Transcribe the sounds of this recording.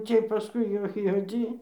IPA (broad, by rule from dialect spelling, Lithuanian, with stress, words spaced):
ˈt͡sʲiɛj pɐˈskʊɪ jɛʊ juɔˈd͡zʲiː